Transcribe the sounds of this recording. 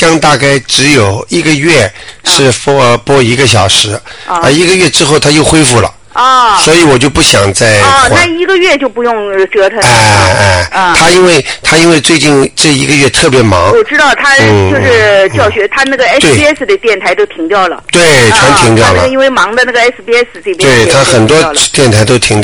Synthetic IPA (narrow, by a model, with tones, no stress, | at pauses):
kɑ˥ŋt̪a˥˧ka˥˩ɪʈ͡ʂɻ̩˧˥jo˨˩ʊi˥ɡə˧ɥɛ˥˩ʂɻ̩˥˩pɔ˥pwɔ˥i˧˥ɡə˧ɕ̬jɑ˨˩ʊʂɻ̩˧˥ə˞˧˥i˧˥ɡə˧ɥɛ˥˩ʈ͡ʂɻ̩˥xo˥˩ʊt̪ʰa˥jo˥˩ʊxwe˥ɪfu˥˩lə̰˩˧ | swɔ˧˥i˧˥wɔ˨˩t͡ɕjo˥˧ʊpu˥˩ɕjɑ˨˩ŋt͡sa˥˧ɪa˥˩i˧˥ɡə˧ɥɛ˥˧t͡ɕjo˥˩ʊpu˧˥jʊ˥˩˧ŋʈ͡ʂɤ˥t̪ʰə˧˥a˧˩˥ | t̪ʰa˥i˥nwe˥˩ɪt̪ʰa˥i˥nwe˥˧ɪt͡swe˥˧ɪt͡ɕi˥˧nʈ͡ʂɤ˥˩i˧˥ɡə˧ɥɛ˥˧t̪ʰɤ˥˩pjɛ˧˥mɑ˧˥ŋwɔ˨˩ʈ͡ʂɻ̩˥t̪ɑ˥˩ʊt̪ʰa˥n̩˥˩jʂɻ̩˥˩t͡ɕjɑ˥˩ʊɕɥɛ˧˥t̪ʰa˥na˥˩ɡə˩ɛ˥t̪we˥˩˥ɛ˥s̩˩d̪ə˩t̪jɛ˥˩nt̪ʰa˧˥ɪt̪o˥ʊt̪ʰi˧˥ŋt̪jɑ˥˩ʊlə̰˩t̪we˥˩ɪʈ͡ʂʰwa˧˥nt̪ʰi˧˥ŋt̪jɑ˥˩ʊlə̰˨˧i˥nwe˥˩ɪmɑ˧˥ŋd̪ə˧na˥˩ɡə˩ɛ˥spi˧˥ɛ˥s̩˥˧t͡se˥˩p̪we˧˥˩ɪ˧t̪ʰa˧˥xə˨˩nt̪wɔ˥t̪jɛ˥˩nt̪ʰa˧˥ɪt̪̬o˥ʊt̪ʰi˧˥ŋt̪j